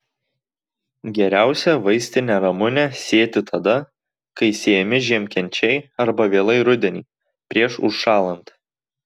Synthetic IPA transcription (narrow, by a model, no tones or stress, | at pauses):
ɡʲɛɾʲæˑʊsʲɛʋɐɪsʲt̪ʲɪnʲɛɾɐmʊnʲɛsʲeːt̪ʲɪt̪ʰɐd̪ɐ | kɐɪsʲeɛmʲɪʒʲiɛmʲkʲɛnʲt͡ʃʲɛɪɐɾbɐʋʲeːlˠɐɪɾʊd̪ʲɛnʲiː | pʲɾʲiɛʃʊʃʃɑːlˠɐnt̪